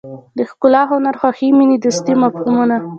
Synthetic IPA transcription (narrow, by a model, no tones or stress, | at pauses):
d̪əxkʊlɑɦʊnaɾxwaximinid̪ust̪imafhumuna